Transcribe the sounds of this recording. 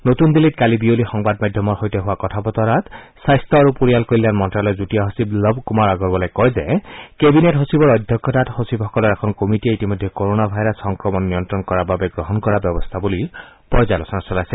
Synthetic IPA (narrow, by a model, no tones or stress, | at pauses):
not̪und̪ilit̚kalibiolixɔŋbadmad̪ʱjɔmɔɹxojtɛɦʊwakɔtʰapɔt̪ɔɹat̪sajst̪ɔaɹupoɹijalkoɹilanmɔntɹalɔjzutijaɦosiblɔbkumaɹaɡɔɹbɔlajkɔjzɛkebinetɦosibɔɹɔd̪ʱjɔkːɔtathosibɦɔkɔlɔɹɛkʰɔnkomitieitimɔjd̪ʱːɛkoɹonabʱajɾɔsxɔŋkɹɔmɔnːiɔntɹɔnkɔɹababɛɡɹɔɦɔnkɔɹabjɔbɔst̪ʰabuli | pɔzalɔsɔnasɔlajsɛ